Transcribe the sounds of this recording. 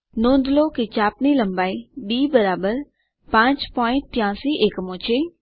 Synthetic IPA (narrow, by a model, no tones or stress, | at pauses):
nõːnd̪loːkit͡ʃaːpnilə̃mbaːiɖiːbəɾaːbəɾ | pãːt͡ʃpɔːɪ̃ɳʈ̪̚ːɪjãːsiːʔeːkmõːt͡ʃʰeː